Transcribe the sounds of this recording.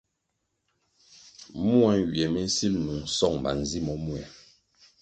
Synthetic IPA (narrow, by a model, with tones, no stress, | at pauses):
mu˦a˦nwi˨ɛ˨mɛ˦n̩˦si˦lnu˨ŋ̩sɔ˦˨ŋmba̰˨n˨zi˦mɔ˦mu˦ɛ˨